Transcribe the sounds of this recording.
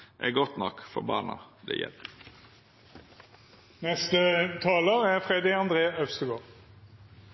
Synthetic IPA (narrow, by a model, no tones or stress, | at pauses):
ʔɛ̰ɡɔt̪nɔkfɔɾbɑːnɑ̰d̪ɛ̰jɛ̰l | nɛst̪ət̪ʰɑːləʁæfʁeːd̪ɪɑnd̪ʁeːœfst̪əɡoːʁ